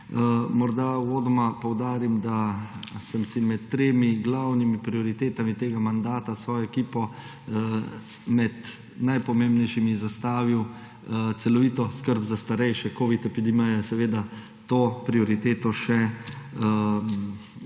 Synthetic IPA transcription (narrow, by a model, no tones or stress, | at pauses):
mɔɾd̪awoːd̪ɔmapɔwd̪aːɾimd̪asəmsimɛt̪ːɾeːmiɡlawnimipɾiɔɾit̪eːt̪amit̪eːɡamand̪aːt̪asʋɔːjɔɛkiːpɔ | mɛt̪ | najpɔmẽːmbnɛjʃimizast̪aːʋiw | t̪sɛlɔʋiːt̪ɔskəɾbzast̪aɾɛjʃɛkoːʋit̪ɛpid̪imɛjɛsɛʋeːd̪a | t̪oːpɾiɔɾit̪eːt̪ɔʃɛ